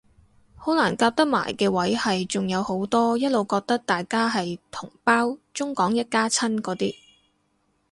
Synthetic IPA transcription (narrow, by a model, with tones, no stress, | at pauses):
ho˨˥laː˨˩nkaː˧p̚t̪ɐ˥k̚ma̰ː˨˩jkɛː˧wɐ˨˥jhɐ˨jt͡sʊ˨ŋjɐ˨˧who˨˥wt̪ɔː˥jɐ˥t̚lo˨wkɔː˧k̚t̪ɐ˥k̚t̪aː˨jkaː˥ɦɐ˨jt̪ʰʊ˨˩ŋpaː˥wt͡sʊ˥ŋkɔː˨˥ŋjɐ˥t̚kaː˥t͡sʰɐ˥nkɔː˨˥t̪iː˥